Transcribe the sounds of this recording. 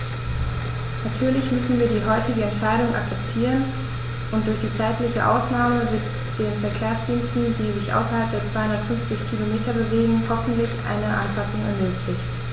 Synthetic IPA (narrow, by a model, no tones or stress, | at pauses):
natʰyːɐlɪçmʏsn̩viːɐdiːɦɔʏtɪɡəɛntʃaɪɾʊŋʔa̰k̚t͡sɛptʰiːʁ̞ən | ʔʊntd̥ʊɐçd̥iːt͡saɪtlɪçə̰ʔa̰ʊsnaːməvɪt | d̥eːnfɛɐkʰeːɐsd̥iːnstn̩diːzɪçʔa̰ʊsɐhalp̚d̥eːɐt͡sv̥aɪhʊndɐtfʏnft͡sɪçkʰilomeːtʰɐbəveːɡŋ̩hɔfn̩tlɪçʔa̰ɪnəʔa̰npʰasʊŋɛ̰ɐmøːkʰlɪçt